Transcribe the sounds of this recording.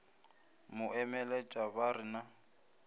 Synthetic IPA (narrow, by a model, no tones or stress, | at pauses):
mʊʔɛmɛlɛt͡ʃʼaβaɾɪna